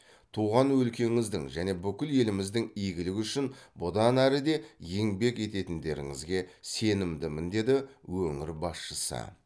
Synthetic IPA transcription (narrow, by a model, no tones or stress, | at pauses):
t̪ʰuʁɑnwɵlkʲe̞ŋɪzd̪ɪŋʒæne̞bʏkʲɪlje̞lɪmɪzd̪ɪŋijɡʲɪlɪkʲʏʃɪnbʊd̪ɑnæɾɪd̪e̞je̞ŋbe̞kʲe̞t̪e̞t̪ɪnd̪e̞ɾɪ̰ŋɪ̰zɡʲe̞se̞nɪmd̪ɪmɪnd̪e̞d̪ɪwɵŋɪɾbɑsʃəsə̰